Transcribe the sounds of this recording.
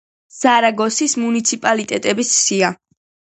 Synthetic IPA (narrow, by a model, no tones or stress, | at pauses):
z̥aɾaɡɔsismunit̪sʰipʼalit̪ʼɛt̪ʼɛbissia